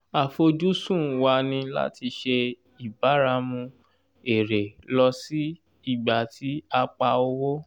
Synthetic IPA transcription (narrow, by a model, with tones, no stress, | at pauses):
a˨fo˧d͡ʒu˦sũ˦˨wa˧nĩ˧la̰˦ti˧ʃe˧ | i˨ba˨˦ɾa˧mũ˧ | e˨ɾe˨lɔ˧si˦ | i˦˨ɡ͡ba˨tʰi˨˦a˧k͡pa˧o˧wo˦